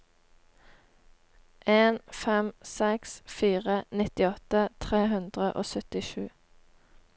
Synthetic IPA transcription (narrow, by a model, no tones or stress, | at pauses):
ʔeːnfɛmsɛksfiːʁənɪt̪ɪɔt̪ət̪ʰʁeːɦʉnd̪ʁəʔo̰ːsœt̪ɪʃʉː